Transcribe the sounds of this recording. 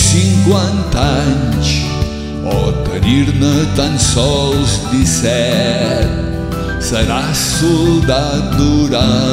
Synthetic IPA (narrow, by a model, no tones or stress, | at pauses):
siŋkwant̪aɲs | ɔt̪əɾiɾnət̪ansɔwzd̪isɛɾt̪ | səɾa | suld̪ad̪uɾa